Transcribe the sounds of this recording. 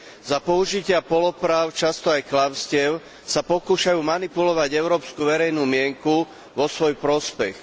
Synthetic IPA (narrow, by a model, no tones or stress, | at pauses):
zapɔuʒicɪapɔlɔpɾaːʊt͡ʃast̪ɔajklaʊscɪɛʊ | sapɔkuːʃajuːmanipulɔʋaɟɛʊɾɔːpskuʋɛɾɛjnuːmɪɛŋku | ʋɔsʋɔjpɾɔspɛx